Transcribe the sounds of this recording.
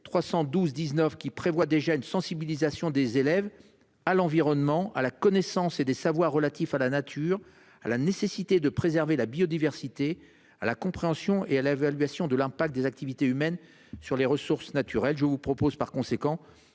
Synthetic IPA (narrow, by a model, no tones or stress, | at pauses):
t̪χwasɑ̃d̪uzd̪iznœfkʲipχevwad̪eʒaynsɑ̃sibilizasjɔ̃d̪ezelɛv | alɑ̃viʁɔnmɑ̃a̰lakɔnesɑ̃sed̪esavwaʁːəlat̪ifalanat̪ʰyʁ | a̰lanesesit̪ed̪əpχezɛʁvelabiɔd̪ivɛʁsit̪e | alakɔ̃pχeɑ̃sjɔ̃ealevalɥasjɔ̃d̪əlɛ̃pakt̪̚d̪ezak̚t̪ivit̪eymɛn | syʁleʁəsuʁsnat̪ʰyʁɛlʒəvupχɔpozpaʁkɔ̃sekɑ̃